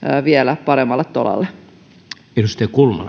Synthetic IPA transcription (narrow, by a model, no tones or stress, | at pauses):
ʋiɛlæpɑɾemːɑlːet̪tolɑ̰lːe | elust̪ejkulmɑ̰l